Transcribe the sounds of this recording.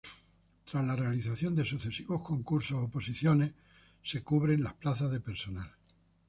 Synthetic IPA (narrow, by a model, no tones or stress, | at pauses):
t̪ɾazlare̞aliθaθjo̞nd̪e̞suθe̞siβo̞hko̞ŋkuɾsosopo̞siθjo̞ne̞h | se̞kuβ̞ɾe̞nlahplaθazðe̞pe̞ɾso̞nal